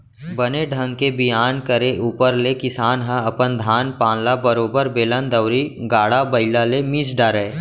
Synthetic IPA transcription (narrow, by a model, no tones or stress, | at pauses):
bəneɖʱə̃ŋɡkebɪjaːnkəɾeʔuːpəɾlekɪsaːnɦə̃ɐpənd̪ʱaːnpãːnlabəɾoːbəɾbeːlə̃nd̪əwɾiɡaːɽabɐɪlalemiːsɖaːɾeː